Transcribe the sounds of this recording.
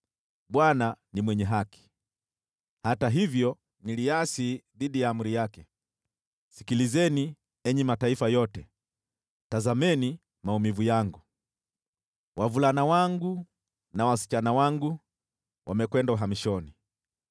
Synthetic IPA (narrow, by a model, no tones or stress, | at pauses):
ɓwananimwɛɲɛɦaki̥ | hataɦivjɔ | niliasiðiɗijaːmuɾijakɛ | si̥kilizɛni | ɛɲɛmataifajɔtɛ | tazamɛni | maumivujaŋɡu | wavulanawaŋɡu | nawasi̥t͡ʃanawaŋɡu | wʔamɛkwɛndauɦamiʃɔni